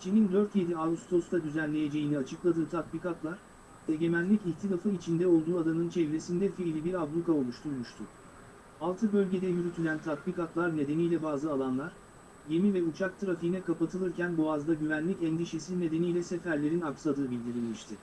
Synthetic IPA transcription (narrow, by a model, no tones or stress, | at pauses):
t͡ʃʰinind̪øɾt̪je̞d̪iaust̪ʰo̞st̪ʰad̪yzænlʲe̞je̞d͡ʒe̞jiniat͡ʃʰɯklˠad̪ɯːt̪ʰakbikat̪lˠaɾ̥ | e̞ɟe̞mænlʲiciçt̪ʰilʲafɯit͡ʃʰind̪ɛo̞lˠd̪uːad̪anɯnt͡ʃʰɛvɾe̞sind̪ɛfiːlʲibiɾablˠukao̞lˠuʃt̪ʰuɾmuʃt̪ʰʊ | alˠt̪ʰɯbø̞lʲɟe̞d̪ɛjyɾyt̪ʰylʲænt̪ʰak̪bikat̪lˠaɾne̞d̪e̞nijlʲɛbaːzɯalˠanlˠaɾ̥ | je̞mivɛut͡ʃʰak̚t̪ʰɯɾafiinɛkapat̪ʰɯlˠɯɾcænboazd̪aɟyvænlʲicɛnd̪iʃe̞sizne̞d̪e̞nijlʲɛsefæɾlʲe̞ɾinaksad̪ɯːbilʲd̪iɾilʲmiʃt̪ʰɪ